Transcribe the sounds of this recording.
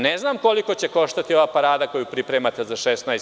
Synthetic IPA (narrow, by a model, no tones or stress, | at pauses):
neznaːmko̞liko̞t͡ɕeko̞ʃt̪at̪ioʋaːpaɾaːd̪ako̞jupɾipɾeːmat̪ezaʃesnajs